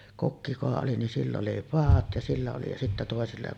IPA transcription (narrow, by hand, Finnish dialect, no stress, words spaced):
kokːi kukɑ oli nin silː oli pɑːt jɑ silːæ oli jɑ sitːæ toˑesilːɑ